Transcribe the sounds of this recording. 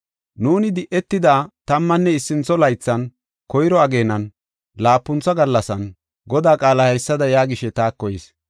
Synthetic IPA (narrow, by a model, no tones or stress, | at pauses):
nuːnɪd̪ɪʔɛt̪ːɪd̪aːt̪ɐmːɐnːɛɪsːɪnt͡sːɔlɐjt͡sːɐn | kɔjɪɾɔɐɡe̞ːnɐn | laːpːʊnt͡sːɐɡɐlːɐsɐn | ɡɔd̪aːkʼaːlɐhɐjsːɐd̪ɐjaːɡɪʃɛt̪aːkːɔjɪs